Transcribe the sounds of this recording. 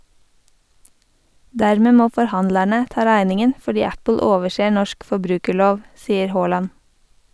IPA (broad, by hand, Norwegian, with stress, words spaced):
ˈdæɾmə ˈmoː fɔɾˈhɑndlæɳə ˈtɑː ˈɾæɪnɪŋən fɔˈɖiː ˈæpl̩ ˈoːʋəʃeː ˈɳɔʃk fɔˈbɾʉːkəˌɭoːʋ ˈsiːəɾ ˈhoːlɑn